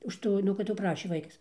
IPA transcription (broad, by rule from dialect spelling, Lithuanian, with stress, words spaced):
ʊʃ ˈtuː nʊ kɐt jɛʊ ˈprɑːʃʲeː ˈʋɐɪkɐs